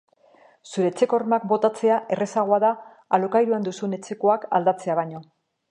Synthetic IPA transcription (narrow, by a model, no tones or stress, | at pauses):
suɾe̞ːt͡se̞ko̞ɾmak̚bo̞t̪at͡se̞aʔe̞re̞saɣ̞o̞aðaː | lokajɾuand̪usune̞t͡se̞koaka̰ld̪at͡se̞aβ̞ajɲo̞